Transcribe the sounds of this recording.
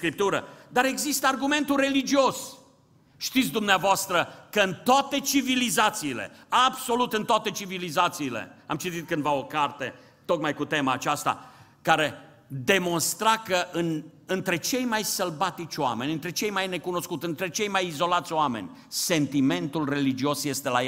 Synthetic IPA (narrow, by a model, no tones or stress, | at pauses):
kɾip̚t̪uɾəd̪aɾe̞ɡzist̪əarɡume̞nt̪ure̞lid͡ʒio̞s | ʃt̪it̪sʲd̪umneavoast̪ɾəkəɨnt̪oat̪e̞t͡ʃivilizat̪siːle̞̰abso̞lut̪ɨnt̪oat̪e̞t͡ʃivilizat̪siːlḛa̰mt͡ʃit̪it̪̚kɨnd̪vaokart̪e̞ | t̪o̞kmajkut̪e̞maːt͡ʃast̪a̰ | kaɾe̞ | d̪e̞mo̞nst̪ɾakəʔɨnɨnt̪ɾe̞t͡ʃe̞jmajsəlbat̪it͡ʃʲoame̞nʲɨnt̪ɾe̞t͡ʃe̞jmajne̞kuno̞skut̪ʲɨnt̪ɾe̞t͡ʃe̞jmajizo̞lat̪sʲowame̞̰nʲ | se̞nt̪ime̞nt̪ulre̞lid͡ʒio̞sje̞st̪elaje